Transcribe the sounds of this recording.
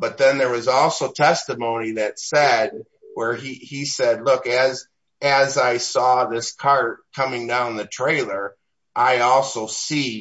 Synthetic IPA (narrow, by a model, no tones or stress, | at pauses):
b̥ʌt̪̚ðɨ̃nðə˞wʌzɔlˠsoʊtʰɛstɨmõʊ̃niðɨtsɛd̚ | wə˞iisɛdˡlʊkɨz | ɨzaɪsɔðɪskʰɑɹt̚kʰʌmɪ̃ŋdãʊ̃nðɨtʰɹ̥eɪlˠə˞ | ʔaɪɔlˠsoʊsi